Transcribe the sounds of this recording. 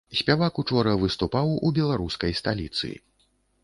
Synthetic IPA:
sʲpʲavakut͡ʂɔɾɐvɨst̪upawubʲɛlˠaɾuskɐjst̪alʲit̪sɨ̰ḭ

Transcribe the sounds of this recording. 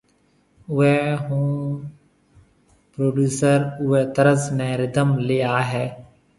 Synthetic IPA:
ʊeɦũː | pɾoːɖjuːsəɾʊeːt̪əɾəsnɛːɾɪd̪əmleːaːɦɛː

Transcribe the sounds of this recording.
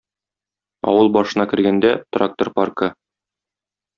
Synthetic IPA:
ɒ̰wɤlˠbɒʃɤ̆nɑkɘ̆ɾɡænd̪æt̪rak̚t̪orparkɤ

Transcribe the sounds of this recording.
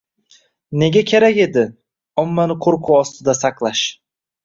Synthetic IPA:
ne̞ɡʲakʲʰe̞ɾakʲe̞d̪ɪ | ɒmːanɪqʰoɾqʰʊwɒst̪ʰɪd̪asɑqlˠaʃ

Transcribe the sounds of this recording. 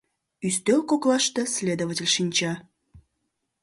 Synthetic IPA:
yst̪ølkoklˠɑʃt̪e̽slʲed̪ovətʲə̆lʲʃinʲt͡ɕɑ

